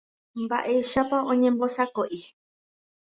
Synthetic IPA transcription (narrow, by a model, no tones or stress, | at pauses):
mbaʔe̞jʃapaõ̞ɲẽmbosakoʔi